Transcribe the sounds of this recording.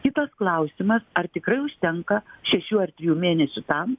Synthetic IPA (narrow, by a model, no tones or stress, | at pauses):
kʲɪt̪ɐsklˠɐʊsʲɪmɐsɐrt̪ʲɪkɾɐɪʊʃʲt̪ʲɛŋkɐʃʲɛʃʲuːɐrt̪ʲɾʲɪjuːmʲeːnʲɛsʲʊt̪ɐm